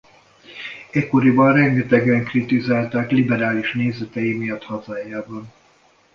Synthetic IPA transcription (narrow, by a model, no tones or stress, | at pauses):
ɛkːoɾibɒnrɛŋɡɛt̪ɛɡɛŋkrit̪izaːlt̪aːklibɛɾaːliʃneːzɛt̪ɛjimijɒt̪hɒzaːjaːbɒn